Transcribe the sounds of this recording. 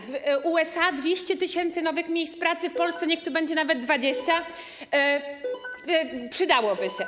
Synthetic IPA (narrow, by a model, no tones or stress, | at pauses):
vuɛsad̪vʲjeɕt͡ɕɛt̪ɘɕɛnt̪sɘnɔvɘxmʲjejst̪pɾat̪sɘfpɔlst̪sɛɲɛk̚t̪uɾbɛɲd͡ʑɛnavɛd̪̚ːvad͡ʑeɕt͡ɕa | pʂɘd̪awɔbɘɕɛ